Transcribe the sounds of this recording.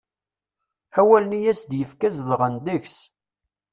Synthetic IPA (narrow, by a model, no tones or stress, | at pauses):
æwælnijæsd̪jəfkæzðʁənd̪əçs